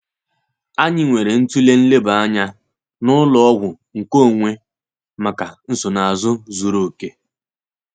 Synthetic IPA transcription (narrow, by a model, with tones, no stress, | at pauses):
a˦ɲɪ˨ŋʷe˨ɾe˨n̩˦tu˦le˦n̩˦le˦ba˦ɲa˦ | nʊ˦lɔ˦ɔ˦ɣʷʊ˨ | ŋ̩˨ko˦˨ŋʷe˦ | ma˨ka˨n̩˦sʊ˨na˨a˨zʊ˦zu˨ɾo˨ke˦